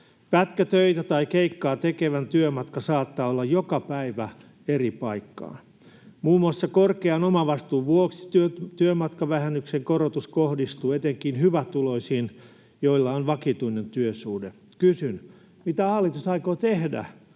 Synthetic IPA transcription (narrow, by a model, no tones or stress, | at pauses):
pæt̪kæt̪øit̪æt̪ɑikeikːɑːt̪ekeʋænt̪yømɑt̪kɑsɑːt̪ːɑːolːɑjjokɑpæiʋæ | eripɑikːɑ̰ː | muːmuɑsːɑkorkeɑnomɑʋɑst̪uːʋʋuoksi̥t̪yøt̪yømɑt̪kɑʋæhænːykseŋkorot̪uskohdist̪uːet̪eŋkinhyʋæt̪uloisiːn | joilːɑonʋɑkit̪uinent̪yøsuːde | kysyn | mit̪æhɑlːˑit̪usɑikoːt̪ehdæ̰